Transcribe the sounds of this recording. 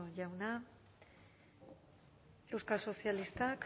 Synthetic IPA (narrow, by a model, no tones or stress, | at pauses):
ʝawna | e̞wskalso̞sialist̪ak